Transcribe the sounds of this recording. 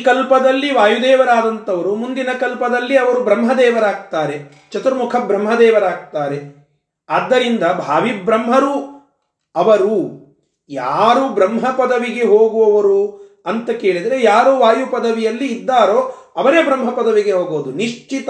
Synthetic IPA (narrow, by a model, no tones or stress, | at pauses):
kɐlpɐd̪ɐlːiʋaːjud̪ɛːʋɐɾaːd̪ɐnt̪ɐʋɐɾumund̪inɐkɐlpɐd̪ɐlːiɐʋɐɾubɾɐmɦɐd̪ɛːʋɐɾaːɡ̚t̪aːɾe̞ | t͡ʃɐt̪uɾmukʰɐbɾɐmɦɐd̪ɛːʋɐɾaːɡ̚t̪aːɾe̞ | ɐd̪ːɐɾind̪ɐbʱaːʋibɾɐmɦɐɾu | ɐʋɐɾu | jaːɾubɾɐmɦɐpɐd̪ɐʋiɡe̞ɦoːɡuʋɐʋɐɾu | ɐnt̪ɐke̞ːɭid̪ɐɾe̞jaːɾuʋaːjupɐd̪ɐʋijɐlːiːd̪ːaːɾoː | ɐʋɐɾeːbɾɐmɦɐpɐd̪ɐʋiɡe̞ɦoːɡoːd̪uniʂt͡ʃit̪